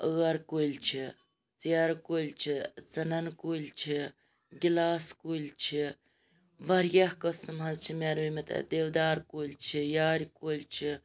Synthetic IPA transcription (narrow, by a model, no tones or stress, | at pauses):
əɣɐɾkolʲt͡ʃʰi | t͡siaɾkolʲt͡ʃʰit͡sɐnɐnkulʲt͡ʃʰi | ɡʲilaːskulʲt͡ʃʰi | ʋɐɾjɐhkəsɨmɦɐzt͡ʃʰimʲaɾʋimɐt̪ʰɐ̰d̪eʋd̪aːɾkulʲt͡ʃʰijaːɾʲkolʲt͡ʃʰi